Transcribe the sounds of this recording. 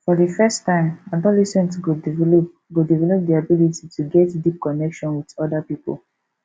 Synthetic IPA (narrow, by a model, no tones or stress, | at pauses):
fɔdifɛstãɪ̃madɔ̃lisɔ̃ntɡod | ɡodivɛlɔp̚diabilititʰuɡɛtdip̚kɔnɛkʃɔ̃nwidɔdapipo̰l